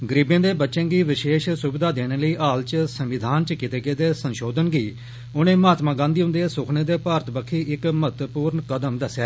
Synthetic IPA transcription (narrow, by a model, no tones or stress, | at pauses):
ɡəɾiːbẽːd̪eːbətːʃẽːɡiːʋɪʃeːʃsʊbɪd̪aːd̪eːñeːləiːʔaːlt͡ʃsəmʋɪd̪ʱaːnt͡ʃkit̪eːɡeːd̪eːsənʃoːd̪ənɡiː | ʊnẽːmaːt̪mãːɡãːnd̪iːɦʊ̃nd̪eːsʊkʰnẽːd̪eːpaːɾət̪bəkʰiːʔɪkmət̪puːɾɳkəd̪əmd̪əsːjaː